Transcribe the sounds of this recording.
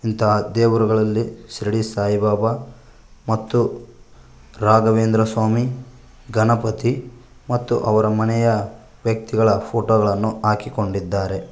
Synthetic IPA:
int̪ɐɦɐd̪eːʋuɾuɡɐɭɐlːisɾiɽisaːjibaːbɐ | mɐt̪ːu | ɾaːɡɐʋeːnd̪ɾɐsʋaːmi | ɡɐnɐpɐt̪i | mɐt̪ːuʔɐʋɐɾɐmɐnɛjɐ | ʋjɐk̚t̪iɡɐɭɐpʰoːʈoːɡɐɭɐnːuaːkiko̞ɳɖid̪ːaːɾe̞

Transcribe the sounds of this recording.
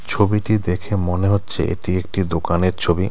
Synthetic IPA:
t͡ɕʰobiʈid̪ekʰemoneɦotːɕʰḛʔḛʈiek̚ʈid̪okaneɾt͡ɕʰobi

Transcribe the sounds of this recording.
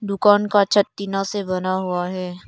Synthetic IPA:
d̪ʊkaːnkat͡ʃʰɐt̪ːinãsebɐnaɦuaɦɛː

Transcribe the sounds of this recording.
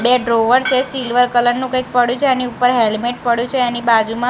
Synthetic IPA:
beɖɾoʋəɾt͡ʃʰesilʋəɾkələɾnũkəjk̚pəɽjũt͡ʃʰeaniupəɾɦelmeʈ̚pəɽjũt͡ʃʰeenibad͡ʒumã

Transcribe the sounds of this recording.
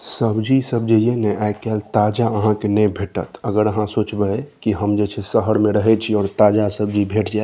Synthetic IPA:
səbd͡ʒisəb̚d͡ʒejenɛʔaekalt̪ad͡ʒaəɦãkenəjbʱeːʈət̪əɡəɾəɦãsot͡ʃbəkiɦəmd͡ʒɛt͡ʃʰesəɦəɾmẽɾəɦɛt͡ʃʰiɔːɾt̪ad͡ʒasəb̚d͡ʒibʱeʈʰd͡ʒae

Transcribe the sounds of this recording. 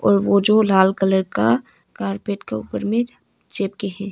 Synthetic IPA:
ɔ̰ːɾʋod͡ʒoːlaːlkələɾka | kaːɾpeːʈkeṵːpəɾmẽ | t͡ʃeːpkeɦɛ̃ː

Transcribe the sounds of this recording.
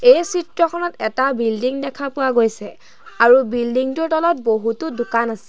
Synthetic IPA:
ejsitɹɔkʰɔnɔtɛtabildiŋdɛkʰapʊwaɡojsɛ | aɹubildiŋtʊɹtɔlɔt̚boɦutʊdʊkanasɛ̥

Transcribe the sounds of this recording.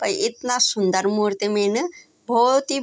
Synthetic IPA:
pɐjʔit̪nasund̪ɐɾmuɾt̪emenɨ | bʱot̪i

